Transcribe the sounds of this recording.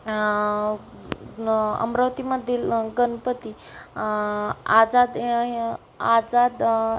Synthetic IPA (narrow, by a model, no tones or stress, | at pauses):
ə̰mɾəʋt̪imad̪ʱilɡənpət̪i | ad͡zad̪ | ad͡zad̪